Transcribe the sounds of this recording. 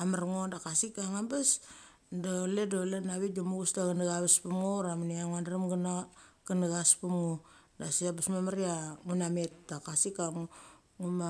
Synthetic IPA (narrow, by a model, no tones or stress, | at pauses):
amaɾŋodakasikaŋambas | doledolenaβit̚domuɡusdaɡanaɡaβaspumŋoɾamaniaŋandaɾamɡnaɡanaɡaspumŋo | dasiabasmamaɾiaŋunametdakasikaŋ | ŋuma